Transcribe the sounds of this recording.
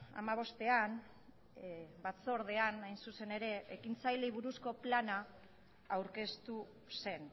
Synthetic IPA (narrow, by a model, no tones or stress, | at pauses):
a̰maβ̞o̞st̪e̞an | bat͡so̞ɾð̞e̞anajnsuse̞ne̞ɾe̞ekint͡sajliβ̞uɾusko̞plana | awɾke̞st̪u | se̞n